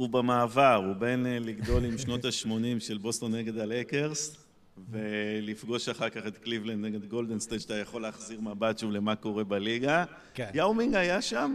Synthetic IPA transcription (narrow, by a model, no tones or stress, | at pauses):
ubamaːvaʁube̞nliɡdo̞limʃno̞t̪aʃmo̞nimʃe̞lbo̞st̪onːeɡe̞d̪alekeʁs | ve̞lifɡo̞ʃaχaʁkaχe̞t̪klivlend̪neɡe̞d̪ɡo̞ld̪enst̪ejdʃtajaχo̞leːχziʁmabatʃule̞mako̞ʁe̞baliɡa | jawmiŋɡajaʃam